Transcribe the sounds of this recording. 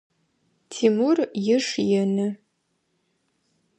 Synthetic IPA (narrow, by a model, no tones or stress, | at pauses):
tʰiːmurjɪʂjɛnɨ